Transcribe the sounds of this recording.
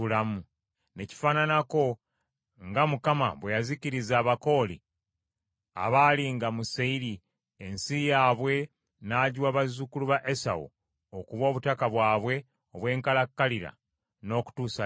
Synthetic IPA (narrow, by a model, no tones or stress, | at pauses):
ulamu | ne̞ci̥faːnanako̞ | ŋɡamukama̰βwe̞jaziciɾizaːβako̞ːlḭ | a̰βaliŋɡamuseiɾi | ensijaːβwe̞ | naːɟwaβazukuluβaʔe̞sa̰wo̰ː | kuβwo̞ːβutakaβwaːβwe̞ | oβwe̞ːŋkalakːaliɾa̰ | no̞ːku̥tuːsa